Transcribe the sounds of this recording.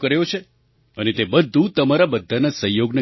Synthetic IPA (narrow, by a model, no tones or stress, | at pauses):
kəɾjõt͡ʃʰe | ənet̪ebəd̪ʱːũt̪əmaɾabəd̪ʱːanasəjoɡnə